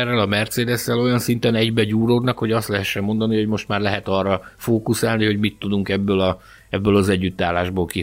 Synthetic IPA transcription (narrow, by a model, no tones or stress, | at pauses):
ɛrːɛlɒmɛrt̪seːd̪ɛsːɛlo̞jɒnsint̪ɛnɛɟbɛɟuːɾoːd̪nɒkho̞ɟɒst̪lɛɦɛʃːɛmːo̞nd̪ɒniho̞ɟmo̞ʃt̪maːrlɛɦɛt̪ɒrːɒfoːkusaːlniho̞ɟmit̪ːud̪uŋkɛbːølɒ | ɛbːølɒzɛɟːyt̪ːaːlːaːʒboːlki